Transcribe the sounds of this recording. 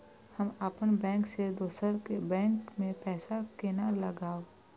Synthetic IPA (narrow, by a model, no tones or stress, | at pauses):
həmaːpənbɛ̃ːŋksed̪oːsəɾkebɛ̃ːŋkmẽpɛːsakenaləɡaːo